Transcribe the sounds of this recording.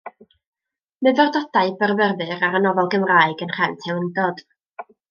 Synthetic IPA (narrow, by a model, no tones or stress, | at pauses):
mɨðɔrdɔd̥aɨbərvɛrðɨɾaɾənɔvɔlˠɡəmraɨɡənr̥ɛwtʰɛwəndɔd̥